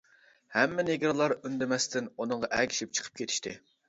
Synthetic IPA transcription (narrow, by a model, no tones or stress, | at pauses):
hɛmːɪneɡʲɾlˠɑɾynd̪ɪmɛst̪ʰɪnunɨɴʁɑʔɛkʲʰi̥ʃip̚t͡ʃʰə̥qʰə̥p̚kʲet̪ʰɪ̥ʃt̪ʰɪ